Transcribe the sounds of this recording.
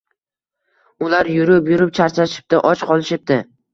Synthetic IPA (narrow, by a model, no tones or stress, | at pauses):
ʊlaɾjʊɾɪpjʊɾɪp̚t͡ʃʰaɾt͡ʃʰaʃɪ̥p̚t̪ɪʔɒt͡ʃqʰɒlˠɪʃɪp̚d̪ɪ